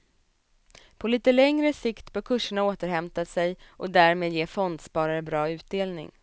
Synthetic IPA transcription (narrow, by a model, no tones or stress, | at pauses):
pʰɔliːt̪əlɛŋɾəsɪkt̪bœːɾkʰɵʂːəɳaoːt̪əɾhɛmt̪asɛjʔɔd̪æɾmeːd̪jeːfɔnd̪spɑːɾaɾəbɾɑːʉ̟ːt̪̚d̪eːlnɪ̰ŋ